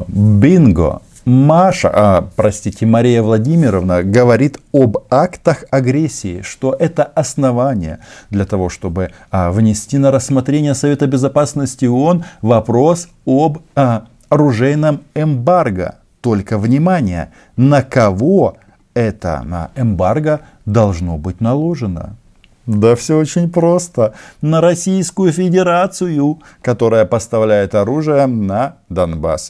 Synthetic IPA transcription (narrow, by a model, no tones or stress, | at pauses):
bʲinɡo̰ | maʂə̰pɾɐsʲtʲitʲɪmɐɾʲijəvlˠɐdʲimʲɪɾəvnəɡəvɐɾʲit̪obakt̪əxɐɡɾʲesʲːɪɪ̰ʂt̪o̞ʔɛt̪əʔɐsnɐvanʲɪjə̰d̪lʲɐt̪ɐvo̞ʂt̪o̞bɨvnʲɪsʲtʲinəɾəsːmɐt̪ɾʲenʲɪjəsɐvʲet̪əbʲɪzɐpasnəsʲtʲɪʊo̞nvɐpɾo̞s | ob | ɐɾʊʐɛjnəmɛmbarɡə̰ | t̪o̞lʲkəvnʲɪmanʲɪjə̰ | nəkɐvo̞ | ɛt̪ə̰nə̰ɛmbarɡə | d̪ɐlˠʐno̞bɨtʲnɐlˠo̞ʐɨnə̰ | d̪afsʲɵot͡ɕɪnʲpɾo̞st̪ənəɾɐsʲijskʊjʊfʲɪdʲɪɾat̪sɨjʊ | kɐt̪o̞ɾəjəpəst̪ɐvlʲæjɪt̪ɐɾuʐɨjənəd̪ɐnba̰s